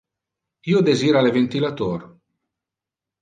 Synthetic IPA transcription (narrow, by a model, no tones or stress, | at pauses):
iːod̪eziːɾalevent̪ilat̪oːɾ